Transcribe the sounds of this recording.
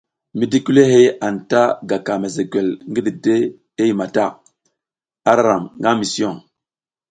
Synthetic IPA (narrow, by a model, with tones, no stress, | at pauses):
mi˨di˦ki˦le˦ɦe˦a˨nta˦ɡa˨ka˨me˨ze˨ɡe˨lŋɡi˦di˨de˦ | e˦ji˨ma˨ta˦˨ | a˦ɾa˦ɾa˨mŋɡa˦mi˨sɔ˦˨ŋ